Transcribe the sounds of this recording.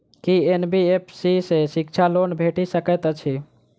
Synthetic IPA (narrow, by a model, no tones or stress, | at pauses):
kienbiepʰsisesik̚t͡ʃʰalonbʱeʈisəkɛt̪ət͡ʃʰi